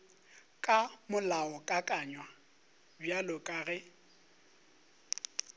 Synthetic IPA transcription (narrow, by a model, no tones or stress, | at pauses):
kʼamʊlaɔkʼakʼaɲwa | bjalʊkʼaɣɛ